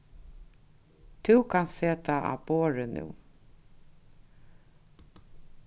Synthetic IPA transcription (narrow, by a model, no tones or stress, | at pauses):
t̪ʰʉkʰansseːt̪ʰaʔa̰boːɾənʉ̰ː